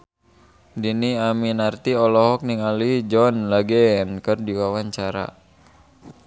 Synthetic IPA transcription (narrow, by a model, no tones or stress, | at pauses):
diniaminart̪iɔlɔɦɔk̚niŋalid͡ʒɔnlaɡɛnkɨrdiwawaɲt͡ʃaɾa̰